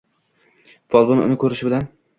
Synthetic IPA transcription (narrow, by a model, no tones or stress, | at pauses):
vɒlˠbʊnʊ̰nɪkʰɵɾɪʃɪbɪlan